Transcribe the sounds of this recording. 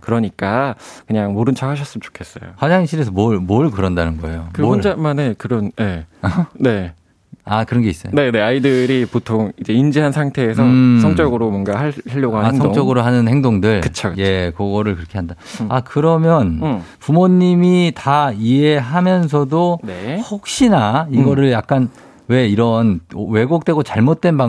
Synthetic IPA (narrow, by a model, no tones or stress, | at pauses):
kɯɾʌɲik͈akɯɲaŋmoɾɯnt͡ɕʰaɡaɕ̬ʰʌs͈ɯmt͡ɕo̥kʰe̞s͈ʌjo̰had͡ʑaŋiɕʰiɾes̬ʰʌmoɭmoɭkɯɾʌndanɯnɡʌe̞jokɯonamanekɯɾʌnje̞ane̞ | akɯɾʌnɡe̞is͈ʌjone̞ne̞aidɯɾipotʰoŋid͡ʑe̞ind͡ʑiɦansʰaŋtʰe̞ːsʰʌsʰʌŋt͡ɕ͈ʌɡɯɾomwʌnɡahahaʎːjʌɡoɦaasʰʌŋt͡ɕ͈ʌɡɯɾoɦanɯnhe̞ŋdoŋdɯɭkɯt͡ɕʰokje̞kʌɡʌɾɯɭkɯɾʌkʰe̞ɦanda | akɯɾʌmjʌnpumoɲːimitaieɦamjʌns̬ʰʌdonehok̚ɕ͈inaiɡʌɾɯɭjak̚k͈an | we̞iɾʌnwe̞ɡok̚t͈we̞ɡot͡ɕaɭmot̚t͈we̞nba